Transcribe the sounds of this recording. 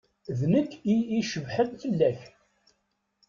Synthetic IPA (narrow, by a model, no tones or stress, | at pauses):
ðnəkːiiʃəvħənfəlːæç